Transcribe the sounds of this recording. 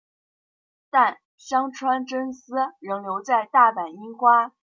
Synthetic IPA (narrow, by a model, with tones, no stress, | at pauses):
t̪a˥˩n | ɕjɑ˥ŋʈ͡ʂʰwa˥nʈ͡ʂə˥nsɹ̩˥ɻɤ˧˥ŋljo˧˥ʊt͡sa˥˧ɪt̪a˥˩pa˨˩ni˥ŋxwa˥